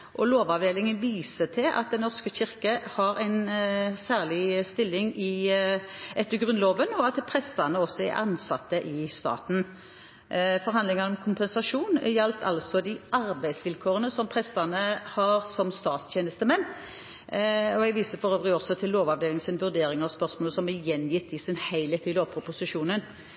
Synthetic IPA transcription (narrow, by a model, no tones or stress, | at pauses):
ʔɔloːʋɑʋd̪eːlɪŋənʋiːsət̪ʰɪlʔɑ̰t̪̚d̪ɛnːɔʁskəɕɪʁkəhɑɾæɪnsæːʁlɪst̪ɪlːɪŋɪ | ʔɛt̪ːəɡʁʉnloːʋənɔɑt̪pʰɾɛst̪ɑnəɔsːɔɛ̰ʔɑ̰nsɑt̪ːəʔɪst̪ɑ̰ːt̪n̩ | fɔʁɦɑnd̪lɪŋɑnɔmkʰʊmpɛnsɑʂuːnjɛlt̪ʰɑ̰lsɔd̪ɪɑɾbæɪd̪sʋɪlkʰoːʁənəsɔmpʰʁɛst̪ɑnəhɑɾsɔmst̪ɑːt̪st̪ʰjeːnəst̪əmɛnː | ɔɛɡʋiːsəfɔʁøːʋɾɪɔsɔt̪ʰɪlːoːʋɑʋd̪eːlɪŋsɪnʋʉʁd̪eːɾɪŋɑʋspœʁsmoːlsɔmɛjɛnjɪt̪ːɪsɪnhæɪlət̪ʰɪloːpʰʁəpʊsɪʂuːnən